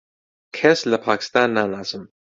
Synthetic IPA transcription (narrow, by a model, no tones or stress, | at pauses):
kʰɛslɐpʰakʰi̥st̪anːanazɨm